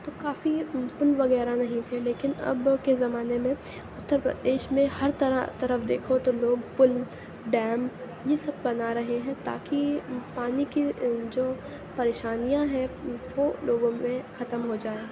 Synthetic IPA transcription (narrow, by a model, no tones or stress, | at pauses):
t̪oːkaːfipʊnʋɐɣɛːɾanɐɦĩt̪ʰeleːkɪnɐ̰bkezɐmaːnemẽ | ʊt̪ːəɾpɾɐ̰d̪eːʃmẽhɐɾt̪ɐɾa̰t̪ɐɾəfd̪eːkʰot̪oloːɡpʊl | ɖɛːm | jesɐb̚bɐnaɾɐɦeɦɛ̃t̪a̰ːkipaːnikid͡ʒoː | pɐɾeːʃaːnijãɦɛ̃ʋoːloːɡõmẽxɐt̪əmɦod͡ʒaːeː